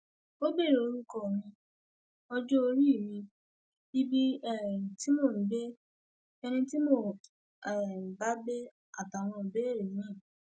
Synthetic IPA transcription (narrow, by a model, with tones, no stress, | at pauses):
o˦be˦˨ɾe˨o˧ɾu˦kɔ˦˨mĩ˧ | ɔ˧d͡ʒo˦o˧ɾi˦˨mĩ˧ | i˦bi˦ɛ˦˨ti˦mo˦˨n̩˨˦be˦ | ɛ˧nĩ˧ti˦mo˦˨ | ɛ˨m̩˨ba˦be˦ | a̰˨ta˨w̃ɔ̃˧m̩˨be˨˦e˦˨ɾẽ˨˦ɛ̃˦˨